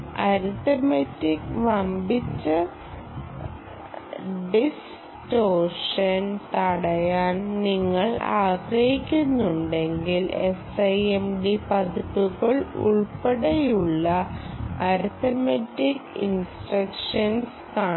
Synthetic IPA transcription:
ɐɾut̪ɐmɐtːikʋɐmbit͡ɕːɨ | ɖis | toːrʂɐnt̪ɐɽɐjaːnniŋːɐɭa̰ːɡɾɐhikʲːunːuɳɖe̞ŋɡilesɐjemɖipɐðupːuɣɐɭṵɭpeɽejuɭːɐɐɾut̪ːɐmetːikːinsʈrɐkʂɐns | kaː

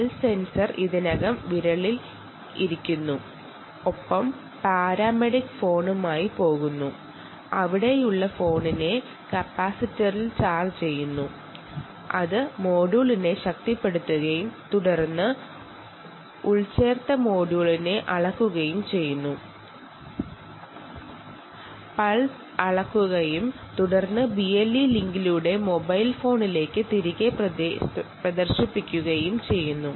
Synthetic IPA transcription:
lse̞nsɐrʔiðinɐɣɐmʋiɾɐɭil | iɾikʲːunːu | opːɐm | paːɾaːmeɽikːfo̞ːɳumaːjipo̞ːɣunːu | ɐʋiɽe̞juɭːɐfo̞ːɳine̞ | kɐpːaːsitːɐrilt͡ɕaːlt͡ɕe̞jːunːu | ɐðɨmo̞ːɽuːɭine̞ɕɐk̚t̪ipːe̞ɽut̪ːuɣɐjumt̪uɽɐrnːɨ | uɭt͡ɕe̞ːrt̪ːɐmo̞ːɽuːɭine̞ʔɐɭɐkːuɣɐjumt͡ɕe̞jːunːu | pɐɭs | ɐɭɐkːuɣɐjum | t̪uɽɐrnːɨbielːiliŋɡiluɽe̞mo̞bɐjlfo̞ːɳile̞ːkːɨt̪iɾiɣep | prɐd̪ɐrɕipːikʲːuɣɐjumt͡ɕe̞jːunːu

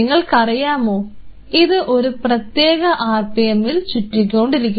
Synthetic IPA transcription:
ŋːɐɭkɐrijaːmo̞ː | iðɨʔo̞ɾuprɐt̪je̞ːɣɐʔaːrpejɐmːilt͡ɕutːik̬ʲːoːɳɖiɾik̬ʲːu

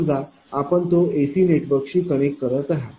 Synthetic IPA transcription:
d͡za | apəɳt̪oesiːneʈbəkɕiːkəɽ̃ekːəɾət̪aɦa

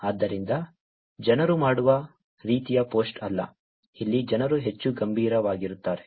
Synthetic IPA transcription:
aːd̪ːɐɾind̪ɐ | d͡ʒɐnɐɾumaːɽuʋɐ | ɾiːt̪ijɐpoːsʈɐlːɐ̰ | ilːid͡ʒɐnɐɾuɦe̞t͡ʃːuɡɐmbʱiːɾɐʋaːɡiɾut̪ːaːɾe̞

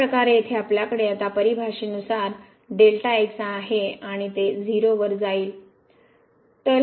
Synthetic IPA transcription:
ɾəkaɾeet̪ʰeapljakəɽejat̪apəɾibʱaʂiːnusaɾ | ɖelʈaeksaɦeaɽ̃it̪ed͡ziɾoʋəɾd͡zaiːl | t̪əl

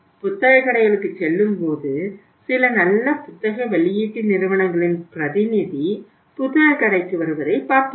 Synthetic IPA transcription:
pʊt̪ːɐɣɐkːɐɽɐɪɣɐɭɯkːɯt͡ʃːɛlːɯmpoːðɯ | sɪlɐnɐlːɐpʊt̪ːɐɣɐʋɛɭɪjiːʈːinɪɾɯʋɐɳɐŋɡɐɭɪnpɪɾɐðɪnɪði | pʊt̪ːɐɣɐkːɐɽɐɪkːɯʋɐɾɯʋɐɾɐɪpaːɾt̪ɯ

